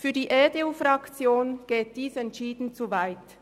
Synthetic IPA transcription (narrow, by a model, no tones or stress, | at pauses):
fyːɐdiːʔɛːdeuːfɾɑkt͡sjoːnɡ̥eːt̚d̥iːsɛntt͡ʃiːdn̩t͡suvaɪt